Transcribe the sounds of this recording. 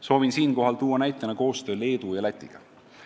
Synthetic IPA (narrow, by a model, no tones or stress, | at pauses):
so̞ːvinsiːnko̞ɦɑlt̪uːwːɑnæjt̪ˑːenɑko̞ːst̪ø̞ːle̞ːd̪̥ujɑlæt̪ʲːˑiɡ̥ɑ̰